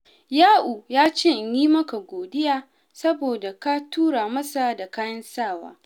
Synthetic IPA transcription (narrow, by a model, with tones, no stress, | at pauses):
jaː˦ʔu˨jaː˦t͡ʃɪ˦ʔjiː˦mɐ˦ka˨ɡʷoː˨dɪ˦jaː˦ | sɐ˦boː˨da˨ka˦tuː˦ɽa˨mɐ˦sa˨da˨kaː˦jɐ˦nsaː˦˨wa̰ː˦